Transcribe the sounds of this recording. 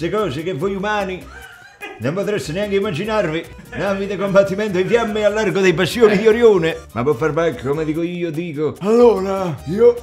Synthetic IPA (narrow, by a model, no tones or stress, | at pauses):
ɪkɔːsɪk̟ɪvːojumaːni | nompot̪ɾest̪ɪnɪaŋk̟ɪimːad͡ʒinarvi | navid̪ɪkombat̪ːimɛnt̪ʊifjamːɪalːarɡod̪ɛjpast̪ːjoːnid̪ioɾjoːnɪmapːofːarbakːkomed̪iːkoiːod̪iːkoalːoːɾaiːo